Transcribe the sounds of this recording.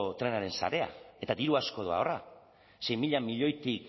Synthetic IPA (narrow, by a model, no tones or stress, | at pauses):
t̪ɾe̞naɾe̞nsa̰ɾe̞a̰e̞t̪aðiɾuasko̞ð̞oa̰ora | se̞jmiʎamiʎo̞jt̪ik